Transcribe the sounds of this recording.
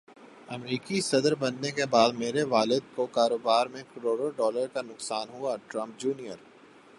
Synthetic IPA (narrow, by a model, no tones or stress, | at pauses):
ɐmɾiːkisɐd̪əɾbɐnːekebaːd̪meːɾeʋaːlɪd̪̚kokaːɾoːbaːɾmẽkəɾoːɖoɖɔːləɾkanʊksaːnɦuaʈɾɐ̃mp̚d͡ʒuːnijəɾ